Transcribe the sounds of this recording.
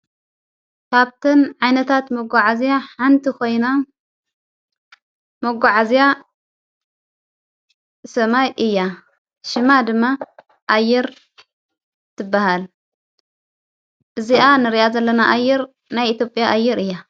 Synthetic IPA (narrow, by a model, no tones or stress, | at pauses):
kʰaβt̪ʰɨnʕajnɐt̪ʰat̪mɐɡaʕazijaħant̪ʰikʰo̞jna | mɐɡʷaʕazija | sɐmajʔɨjːa | ʃɪmad̪ɨmːa | ʔajːɛɾ | t̪ʰɨbːahal | ʔɨziʔanɨɾijazɐlːɐnaʔajːɛɾ | najit̪ʰjo̞pʼjaʔajːɛɾɨjːa